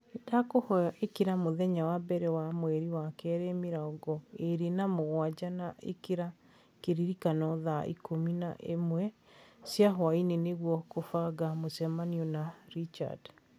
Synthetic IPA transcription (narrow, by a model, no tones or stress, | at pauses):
edakohɔjaʔekeɾamoðɛɲawabɛɾɛwamwɛɾiwakɛɾɛmiɾaoɡɔeɾenamoɣwad͡ʑanaʔḛkeɾa | keɾiɾikanɔðaḭkʰomina̰ʔemwɛ | sjaɦwaineneɣwɔkofaɡamosɛmaniɔnaɾit͡ʃa̰d